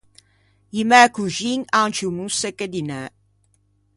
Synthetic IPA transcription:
imɛkuʒiŋant͡ʃumusekːed̪inɛ

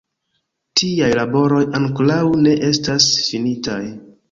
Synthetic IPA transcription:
tʰiajlabo̞ɾo̞jaŋklawne̞ʔe̞stasfinitaj

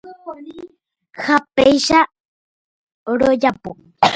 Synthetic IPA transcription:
xapejʃa | ɾojapu

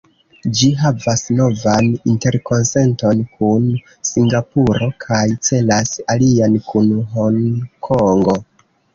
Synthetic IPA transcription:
d͡ʒiɦavasno̞vaninte̞ɾko̞nse̞nto̞nkʰun | siŋɡapuɾo̞kʰajt͡se̞lasaliankunɦoŋkʰoŋɡo̞

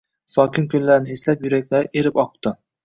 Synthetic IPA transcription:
sɒkʲɪnkʲʊlːaɾnɪheslapjʊɾakʲlaɾeɾɪpɒq̚t̪ɪ

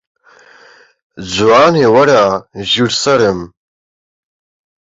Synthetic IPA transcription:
d͡zwaːnewɐɾaʒiɾsɐɾɨm

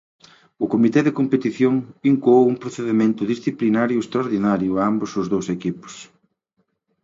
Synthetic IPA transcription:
ʊkomit̪ɛðekompet̪iθjoŋbiŋkuowuŋpɾoθeðemẽnt̪ʊðisθiplinaɾjʊest̪ɾaoɾðinaɾjʊambʊsʊzðowsekipʊ̥s

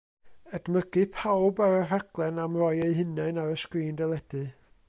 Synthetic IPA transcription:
ɛd̥məɡɨpʰawbaɾər̥aɡ̥lˠɛnamrɔjeɨɦɪnɛɨnaɾəskriːndɛlˠɛdɨ

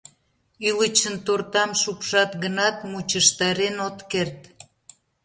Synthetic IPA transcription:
ylət͡ɕənt̪ort̪ɑmʃupʃɑt̪ɣənɑt̪mut͡ɕəʃt̪ɑɾenot̪kert̪

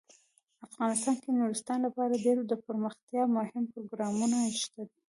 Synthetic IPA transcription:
afɣɑnɪst̪ɑnked̪nuɾɪst̪ɑnlapɑɾaɖeɾod̪əpəɾməxt̪jɑmʊhɪmpʊɾoɡɾɑmunaʃt̪ad̪i

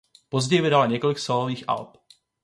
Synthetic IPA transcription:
pozɟɛjvɪdalɲɛko̞lɪksoloviːxʔa̰lp

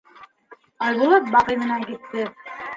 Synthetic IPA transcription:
ɑjðɤ̆lˠɤp̚bɑqɤ̆jmɤ̆nɑkit̪ːɘ

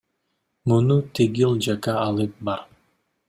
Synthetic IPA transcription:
munut̪ʰeɡilˠd͡ʒakɑːlˠɯp̚bɑɾ

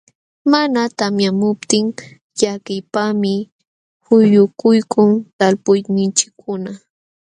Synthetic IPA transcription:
manat̪amjamʊp̚t̪ɪŋ | ʎakɪjpamɪ | hʊjʊkʊjkʰʊŋt̪alpʊjnɪnt͡ʃɪ̥kʰːʊna

